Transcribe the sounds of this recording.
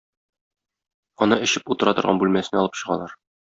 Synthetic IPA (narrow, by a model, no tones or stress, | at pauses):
ɒnɤɘ̆ɕɘput̪ɤ̆ɾɑt̪ɤ̆ɾʁɑ̰nbʉlmæsɘ̆nɒlˠɤpɕɤ̆ʁɑ̰lˠɑɾ